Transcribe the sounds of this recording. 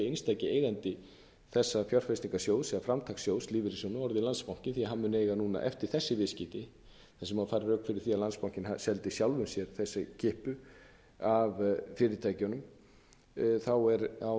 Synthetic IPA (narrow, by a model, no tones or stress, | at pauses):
ejnst̪ʰajcɪeːjɣant̪ɪ | θɛsːafjɔr̥fɛsniŋkasjoːwðsɛɣafɾamt̪ʰaksjoːwðsliːvɪɾɪsownʏɔɾðɪlanspawŋ̥cɪnθiaɦamːʏneːjɣanuːna̰ʔɛ̰ft̪ɪ̥θɛsːɪvɪːscɪt̪ɪ | θasɛmaðfaːɾarœːkfɪɾɪɾ̥θiaðlanspaw̥cɪnhasɛlt̪ɪsjawlvʏmsjɛɾ̥θɛsːɪcɪhpʏ | avfɪːɾɪɾt̪ʰaːjcʏnʏm | θawɛɾa